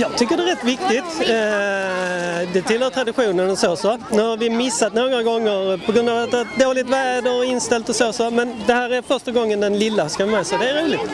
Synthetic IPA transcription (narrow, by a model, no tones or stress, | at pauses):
jɑɪt̪ʰʏkːəɾd̪ɛɾɛt̪ːʋɪkt̪ɪt̪ | d̪ɛt̪ʰɪlhøːɾt̪ɾɑd̪ɪɧuːnənɔseːsɔnɔɾʋɪmɪsːɑt̪nuːɡɾɑɡɔŋːəɾpʰɔɡɾʉnd̪ɑʋɑt̪ːɑt̪̚d̪ɛɑlɪt̪ʋæd̪ɔɪnːst̪ɛlt̪ɔseːsɔmɛnd̪ɛhæːɾæɾfœɾʂtəɡɔŋːənd̪ɛnlɪlːəskɑmɛːsɛɪd̪ɛæɾuːlɪɡ